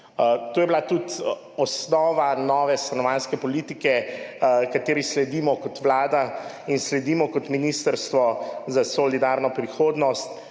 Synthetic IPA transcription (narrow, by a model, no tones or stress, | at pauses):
t̪ojɛbilat̪ut̪ | ɔsnɔːʋanɔːʋɛst̪ɾanɔʋanskɛpɔliːt̪ikɛ | kat̪eːɾislɛd̪iːmɔkɔt̪ʋlaːd̪a | inslɛd̪iːmɔkɔt̪minist̪əɾst̪ʋɔzasɔlid̪aɾnɔpɾixoːd̪nɔst̪